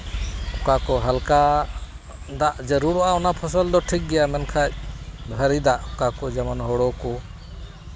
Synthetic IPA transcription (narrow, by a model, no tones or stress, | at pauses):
kakɔɦalka | d̪aʔd͡ʒəɾuɾɔʔaɔnapʰəsəld̪ɔʈʰik̚ɡɛjamɛnkʰac̚bʱəɾid̪aʔɔkakɔd͡ʒamanɦɔɽɔkɔ